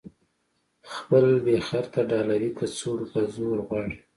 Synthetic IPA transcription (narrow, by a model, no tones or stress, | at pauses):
xpəlbexaɾt̪aɖɑlawikʰat͡soɽtazoɾɣwɑɽi